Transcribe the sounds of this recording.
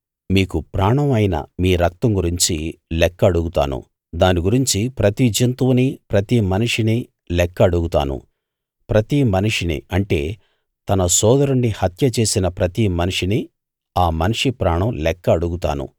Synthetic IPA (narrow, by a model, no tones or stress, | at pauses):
miːkupɾaːɳɐmɐjnɐ̰miːɾɐk̚t̪ɐŋɡuɾiɲt͡ʃilɛkːɐːɽuɡut̪a̰ːnṵ | d̪aːniɡuɾiɲt͡ʃipɾɐt̪id͡ʒint̪unipɾɐt̪imɐniʂini | lɛkːɐːɽuɡut̪a̰ːnṵ | pɾɐt̪imɐniʂinḭɐɳʈe̞̰ː | t̪ɐnɐsɔːd̪ɐɾuɳːihɐt̪jɐt͡ʃe̞ːsinɐpɾɐt̪imɐniʂini | aːmɐniʂipɾaːɳɐmlɛkːɐːɽuɡut̪a̰ːnṵ